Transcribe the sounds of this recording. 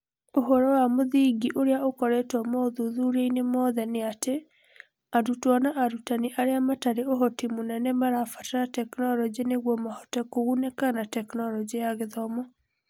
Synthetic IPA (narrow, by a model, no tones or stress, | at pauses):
oɦɔɾɔwamoðiɡiʔoɾeaokɔɾɛtɔmɔðuðuɾeinemɔðɛneate | adutwɔnaʔaɾutaniʔaɾeamataɾeoɦɔtimonɛnɛmaɾaːfatatɛknɔɾɔd͡ʒeneɣwɔmahɔtɛkoɣunekanatɛknɔlɔd͡ʒiaɣeðɔmɔ